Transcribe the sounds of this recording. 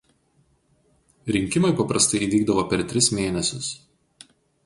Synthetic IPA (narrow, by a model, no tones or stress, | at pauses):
ɾʲɪŋʲkʲɪmɐɪpɐpɾɐst̪ɐɪiːʋʲiːɡd̪ɐʋopʲɛɾt̪ʲɾʲɪsmʲeːnʲɛsʲʊs